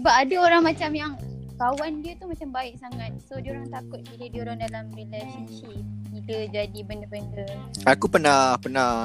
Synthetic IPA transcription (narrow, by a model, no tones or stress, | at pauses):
bapadaoɾaŋmãt͡ʃamjaŋkawandiət̪umat͡ʃambaɪk̚saŋat̪̚sodəoɾaŋt̪akʊt̪̚idədioɾaŋdalamɾilaʃənt͡ʃiniləd͡ʒadibəndəbəndəakupənahpənah